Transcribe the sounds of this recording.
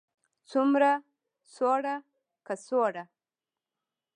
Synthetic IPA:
t͡sumɾa | soɽa | kasoɽa

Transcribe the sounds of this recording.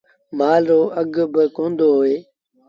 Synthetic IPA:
maːlɾoːʔəɡbɪkõːnd̪oːɦoːeː

